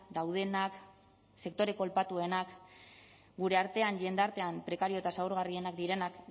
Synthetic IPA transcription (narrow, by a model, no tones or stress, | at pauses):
d̪awð̞e̞nak | se̞kt̪o̞ɾe̞ko̞lpat̪ue̞nak | ɡuɾe̞aɾt̪e̞aɲʝe̞nd̪aɾt̪e̞ampɾe̞kaɾiot̪asauɾɣ̞arie̞nakd̪iɾe̞nak